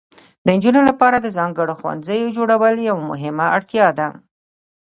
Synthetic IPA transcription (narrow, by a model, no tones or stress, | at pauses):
d̪ənd͡ʒunolapɑɾad̪əzɑŋɡəɽoxwa̰nzəjod͡ʒoɽawəljawmʊ̰ɦɪmaʔaɽt̪jɑd̪a